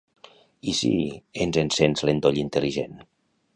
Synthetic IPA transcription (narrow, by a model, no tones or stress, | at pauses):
isḭenzensenzlend̪oʎint̪eliʒḛn